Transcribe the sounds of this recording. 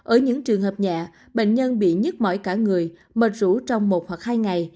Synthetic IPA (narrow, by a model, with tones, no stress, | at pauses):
ʔəː˧˩ɲɨ̰˧˥ŋt͡ɕɨ˨˩əŋɦəː˨˩p̚ɲa̰ː˧˨ | ɓḛ˧˨ŋ̟ɲə˧nɓḭ˧˨ɲə˦˥t̚mɔ̰˧˨jkaː˧˩ŋɨ˨˩əj | məː˨˩t̚zṵ˧˥t͡ɕɔ˧wŋ͡mmo˨˩t̚hwa˨˩k̚haː˧jŋa˨˩j